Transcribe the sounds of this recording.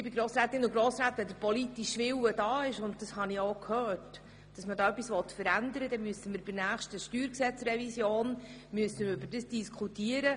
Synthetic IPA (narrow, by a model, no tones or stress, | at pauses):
ɪbɪɡɾoːsɾæːt̪ːɪnʊɡɾoːsɾæːt̪əd̪əɾpɔlit̪iʃʋɪwədɑːɪʃʊnt̚d̥əshɑniokʰhœːt | d̥ɑsmədɑːœpːisʋɔt̪fəɾænd̪əɾədɛmyəsəməɾb̥ɪnæːχʃtəʃtyːɾksɛt͡srɛvisjoːnmyəstənəɾʏbəɾdəsd̥iskʰχutiəɾə